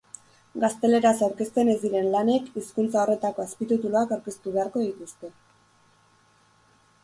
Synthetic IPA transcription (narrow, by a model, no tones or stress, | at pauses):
ɡast̪e̞le̞ɾasawɾke̞st̪e̞ne̞zd̪iɾe̞nlane̞kiskunt͡sao̞re̞t̪ako̞aspit̪ut̪uloakawɾke̞st̪uβe̞aɾko̞ðit̪ust̪e̞